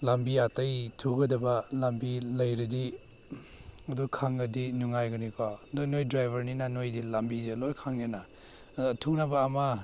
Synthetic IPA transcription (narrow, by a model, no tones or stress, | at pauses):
lambiatɐjtʰuɡɐdɐbɐlambilɐjɾidi | ɐdukʰaŋɡɐdinuŋajɡɐnikʰadojnojdɾajbʱɐɾninanojdilambizelojkʰaŋenaː | tʰuŋnɐbɐːma